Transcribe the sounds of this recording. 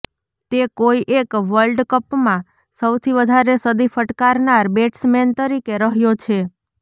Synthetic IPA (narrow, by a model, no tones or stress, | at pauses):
t̪ekoiʔekʋəlɖkəpmã | səwt̪ʰiʋəd̪ʱaɾesəd̪ifəʈkaɾnaɾbeʈsment̪əɾikeɾəɦjot͡ʃʰe